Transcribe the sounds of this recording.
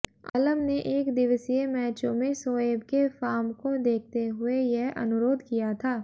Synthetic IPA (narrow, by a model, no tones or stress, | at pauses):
ɐ̰ləmneʔeːkd̪ɪʋəsijemɛːt͡ʃõmẽsoːeːbkefaːmkod̪eːk̚ʰt̪eɦʊejɛɦɐ̰nʊɾoːd̪ʱkijat̪ʰaː